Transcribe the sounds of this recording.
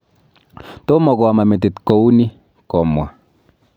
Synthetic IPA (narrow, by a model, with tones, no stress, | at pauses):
t̪o˦mɔ˨kɔ˨a˨ma˨me˨t̪̬ɪ˨t̪ko˨u˦ni˦ | kɔ˨mwa̰˨